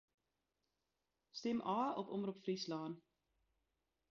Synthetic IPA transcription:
stɛmʔɑːɔpɔmɾupfrislɑːn

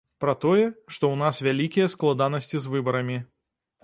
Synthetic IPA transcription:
pɾɐt̪ɔjɛʂt̪ɔwnasvʲalʲikʲijɐsklˠad̪anɐsʲt͡sʲizvɨbɐɾɐmʲi

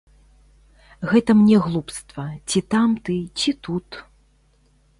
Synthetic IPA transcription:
ɣɛt̪ɐmnʲɛɣlˠupst̪vɐt͡sʲit̪amt̪ɨt͡sʲit̪ut̪

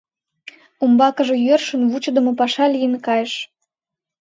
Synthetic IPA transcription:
umbɑkəʒĕjørʃənβut͡ɕəd̪ə̆mopɑʃɑlijənkɑjəʃ

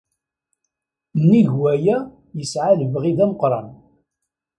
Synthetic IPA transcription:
nːiʝwæjæ | jəsʕaləvʁiðæməqɾˤɑn

